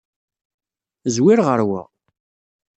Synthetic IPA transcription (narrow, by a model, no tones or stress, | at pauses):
zwɪɾʁəɾwa̰